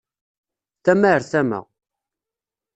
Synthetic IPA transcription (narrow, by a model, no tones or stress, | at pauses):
θæmæəɾθæmæ̰ʁ